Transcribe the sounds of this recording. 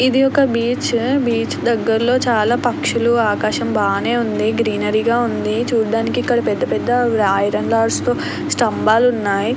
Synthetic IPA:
id̪iɔkɐbiːt͡ʃbiːt͡ʃd̪ɐɡːɐɾlo̞ːt͡ʃaːlaːpɐkʂuluaːkaːʃɐmbaːne̞ːund̪iɡɾiːnɐɾiɡaːund̪it͡ʃuːɖaːnikiikːɐɽɐpɛd̪ːɐpɛd̪ːɐːjɾɐɳlaːɾst̪o̞ː | sʈɐmbaːlunːaːji

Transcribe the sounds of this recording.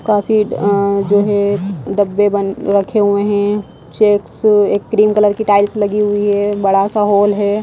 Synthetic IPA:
kaːfid͡ʒoːɦɛɖɐbːebənɾɐkʰeɦʊeɦɛ̃ | t͡ʃeːkseːkːɾiːmkələɾkiʈaːɪlslɐɡiɦʊiɦɛːbɐɽasaɦoːlɦɛː

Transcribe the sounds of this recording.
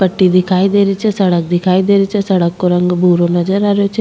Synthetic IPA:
pəʈːid̪ɪkʰaːid̪eːɾit͡ʃɛsəɽək̚d̪ɪkʰaːid̪eːɾit͡ʃɛsəɽəkːoɾəŋɡbʱuːɾonəd͡ʒəɾaːɾejot͡ʃʰ

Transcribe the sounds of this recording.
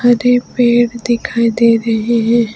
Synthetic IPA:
aɾepeːɽd̪ɪkʰaːid̪eːɾɐɦeɦɛ̃ː

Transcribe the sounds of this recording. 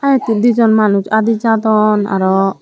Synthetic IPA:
aɛ̃t̪id̪id͡ʒɔnmanut͡ʃad̪id͡ʒad̪ɔna̰ɾɔ

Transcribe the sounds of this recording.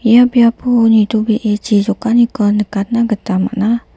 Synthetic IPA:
ijabiapunit̪ubiʔet͡ʃisokanukənəkat̪naɡət̪ama̰ʔna

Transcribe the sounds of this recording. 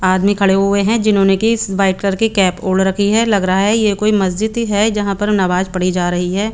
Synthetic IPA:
aːd̪mikʰɐɽeɦʊeɦɛ̃d͡ʒɪnɦõːnekiɪsʋaːɪʈkəɾkikɛːpoːlɾɐkʰiɦɛlɐɡɾɐɦaɦɛjekoːimɐs̬d͡ʒɪd̪iɦɛd͡ʒɐɦãpɐɾnabaːd͡ʒpɐɽid͡ʒaːɾɐɦiɦɛː

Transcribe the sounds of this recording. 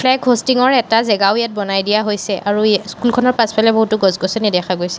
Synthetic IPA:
pʰlɛkɦostiŋɔɹɛtazɛɡaʊjat̚bɔnajdijaɦojsɛʔaɹuskulkʰɔnɔɹpaspalɛboɦutʊɡɔzɡɔsɔnidɛkʰaɡojsɛ̥

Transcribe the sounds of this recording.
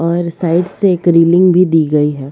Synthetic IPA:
ɔːɾsaːɪɖseeːkɾiːlɪ̃ŋɡbʱid̪iːɡɐiɦɛː

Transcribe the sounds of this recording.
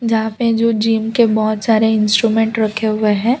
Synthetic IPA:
d͡ʒɐɦãped͡ʒoːd͡ʒiːmkebɔɦʊt̪saːɾeɪ̃nsʈɾumɛ̃ɳʈɾɐkʰːeɦʊeɦɛ̃ː

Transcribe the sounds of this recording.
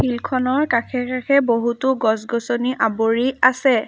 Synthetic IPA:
pʰilkʰɔnɔɹkakʰɛkakʰɛboɦutʊɡɔsɡɔsoniʔaboɹiasɛ

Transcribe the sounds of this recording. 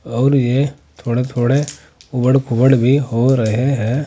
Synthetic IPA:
ɔːɾje | t̪ʰoːɽet̪ʰoːɽe | ʊbəɽkʊbəɽbʱiɦoɾɐɦeɦɛː

